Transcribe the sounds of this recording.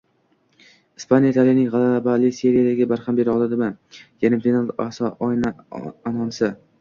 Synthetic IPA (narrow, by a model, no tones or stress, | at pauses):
ɪspʰanijait̪ʰalijanɪŋʁalaabalɪse̞ɾijad̪aɡʲɪbaɾhambe̞ɾɒlˠad̪ɪmanjanɪfinalasɒʔjnaanɒnsɪ